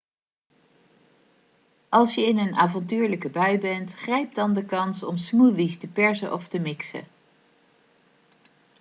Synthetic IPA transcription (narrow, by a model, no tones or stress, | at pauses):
ʔɑlˠsjəɪnənaːvɑntyːɹləkəbœɥbɛntχrɛjp̚dɑndəkɑnsɔmsmuvistəpɛɹzəʔɔftəmɪksə̰